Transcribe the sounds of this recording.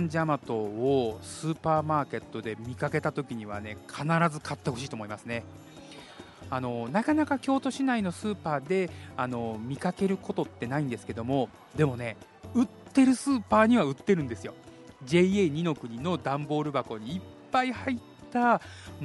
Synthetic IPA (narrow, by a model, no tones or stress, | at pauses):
ɲd͡ʑamat̪o̞ːsɨːpaːmaːke̞t̪ːo̞d̪e̞mʲikake̞t̪at̪o̞kʲiɲ̟iβ̞a̰ne̞kʰanaɾazɨkat̪ːe̞hɦo̞ɕ̬iːt̪omo̞imasɨne̞ | ano̞nakanakakʲo̞ːt̪o̞ɕinaino̞sɨːpaːd̪e̞ano̞mʲikake̞ɾɯ̟ko̞t̪o̞t̪ːe̞naĩnd̪e̞sɨ̥ke̞d̪o̞mo̞ | d̪e̞mo̞ne̞ | ɯ̟t̪ːe̞ɾɯ̟sɨːpaːɲ̟iβaɯ̟t̪ːe̞ɾɯ̟̃nd̪e̞sɨjo̞ʑe̞eɲ̟ino̞kɯ̟ɲ̟ino̞d̪ãmbo̞ːɾɯ̟bako̞ɲ̟iːpːaihaitt̪ːa